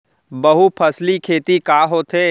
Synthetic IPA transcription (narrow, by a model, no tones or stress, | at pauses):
bɐɦupʰɐslikʰeːt̪ikaːɦoːt̪ɦeː